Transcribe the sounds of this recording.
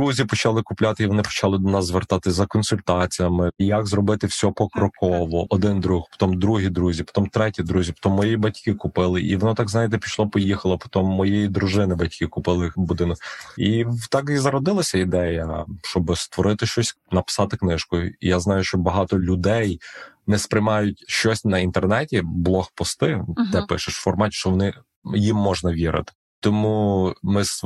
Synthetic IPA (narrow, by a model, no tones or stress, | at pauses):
d̪ɾuzʲipɔt͡ʃɐlˠɪkʊplʲat̪ɪiʋɔnɪpɔ̥t͡ʃalˠɪd̪ɔnɑzzʋert̪ɑt̪ɪsʲzɐkɔnsʲʊlʲt̪ɑt͡sʲijɐmɪjɐkzɾɔbɪt̪ɪwsʲɔpɔkɾɔkʰɔʋɔʔɔd̪ɪnd̪ɾuxpɔ̥t̪ɔmd̪ɾuɦʲid̪ɾuzʲipɔ̥t̪ɔmt̪ɾɛtʲid̪ɾuzʲipɔ̥t̪ɔmːɔjibɐtʲkɪkʊpɪlˠɪʔḭʋɔnɔt̪ɑɡznɑjɪt̪̬ɛpʲi̥ʃlˠɔpɔjixɐlˠɐpɔ̥t̪ɔmːɔjejid̪ɾʊʒɪnɪbɐtʲkɪkʊpɪlˠɪbʊd̪ɪnɔkit̪ɑkizɐɾɔd̪ɪlˠɐsʲɐid̪ɛjɐʃt͡ʃɔbɪst̪ʋɔɾɪt̪ɪʃt͡ʃɔsʲ | nɐpɪ̥sɑt̪ɪknɪʃkʊjʊḭjaznɑjʊʃt͡ʃɔbɐɦɑt̪ɔlʲʊd̪ɛjnɛspɾɪjmɑjʊtʲʃt͡ʃɔsʲnɐint̪ernɛtʲiblˠɔxpɔst̪ɪd̪ɛpɪʃɪʃfɔrmɑt̪ʲʃt͡ʃɔʋɔnɪ | jimːɔʒnɐʋʲiɾɪ̰t̪ɪ̥ | t̪ɔmumɪs